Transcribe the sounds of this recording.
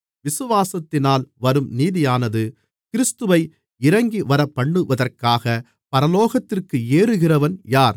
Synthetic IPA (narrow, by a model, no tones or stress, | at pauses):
ʋɪsɯʋaːsɐt̪ːɪnaːlʋɐɾɯmniːðɪjaːnɐðɯ | kɪɾɪst̪ɯʋɐɪ | ɪɾɐŋɡiʋɐɾɐpːɐɳːɯʋɐðɐrkaːɣɐ | pɐɾɐloːɣɐt̪ːɪrkɯeːɾɯɣɪrɐʋɐnjaːɾ